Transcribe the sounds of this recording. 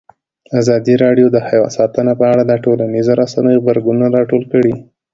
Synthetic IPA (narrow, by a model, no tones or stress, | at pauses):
azɑd̪iɾɑɖjod̪əhajwɑ̰nsɑt̪ənapəaɽad̪ɑʈolanizaɾasanəjoɣbaɾɡununaɾɑʈolkəɽi